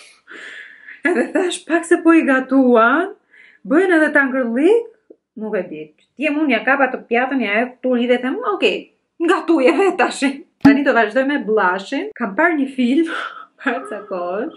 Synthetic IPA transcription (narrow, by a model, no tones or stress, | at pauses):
ɛðɛθaʃpaksɛpɔiɡat̪uan | bəjɛnɛðɛt̪aŋɡəɾlˠik | muvɛbit | t̪jɛmunjakapat̪əpjat̪ənjaɛpuɾiðɛθɛmuɔkɛj | ŋɡat̪ujɛvɛt̪aʃin | t̪anid̪ɔvaʒd̪ɔjmɛblˠaʃinkampaɾɲəfilmpaksakɔəʃ